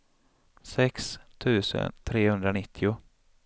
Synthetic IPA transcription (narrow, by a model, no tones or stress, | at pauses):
sɛkst̪ʰʉ̟ːsə̰nt̪ʰɾeːhɵnd̪ɾanɪt̪ʰːɪʊ